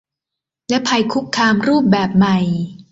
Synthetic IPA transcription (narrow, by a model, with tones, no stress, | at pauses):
lɛ˦˥pʰa˧jkʰu˦˥kʰːaː˧mɾuː˥˩p̚bɛː˨˩p̚ma˨˩j